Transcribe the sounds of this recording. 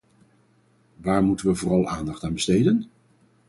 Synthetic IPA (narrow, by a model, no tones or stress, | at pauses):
ʋaːɹmutənʋəvʊːrɑlˠaːndɑχtaːnbəstejdən